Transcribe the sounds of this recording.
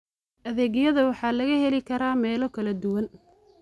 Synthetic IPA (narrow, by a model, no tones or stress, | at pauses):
ʔɐðɛːɣjɐðɐwɑħɑːlɐɣɐhɛlɪkʰɐɾaːmɛːlɔkʰɐlɐd̪ʊwɐn